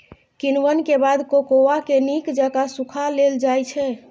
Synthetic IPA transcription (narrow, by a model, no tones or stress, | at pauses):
kinwənkebad̪kokowakenikd͡ʒakasukʰaleld͡ʒajt͡ʃʰɛ